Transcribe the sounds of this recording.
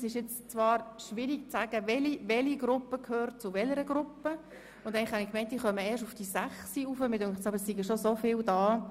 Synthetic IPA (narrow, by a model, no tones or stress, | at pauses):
sɪʃjɛt͡st͡svɑːɾʃʋɪɾikt͡sæːɡ̥əʋɛliʋɛliɡɾʊpːəkʰøːɾtt͡sʊʋɛləɾəɡ̥ɾʊpːə | ʊndɛɪŋlɪχhɑnɪkmɛɪnt̚d̥iːχœməɛːɾʃufd̥isæχsiufəmɪdøŋtt͡sɑbəɾsiɡəʃosofɪːldɑː